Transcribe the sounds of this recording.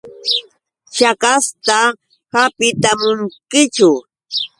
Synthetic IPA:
t͡ʃakast̪a | hapɪt̪amʊŋkɪt͡ʃʊ

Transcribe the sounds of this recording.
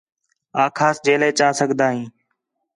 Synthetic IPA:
aːkʰaːsd͡ʒeːleːt͡ʃaːsəɠʱd̪aːɦĩː

